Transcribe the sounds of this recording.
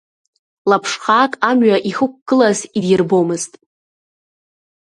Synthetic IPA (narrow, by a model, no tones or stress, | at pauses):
lapʰʂχaːkʼamɥaʔiχɨk̚ʷɡ̥ɨlazidjɪrbo̞mɨztʼ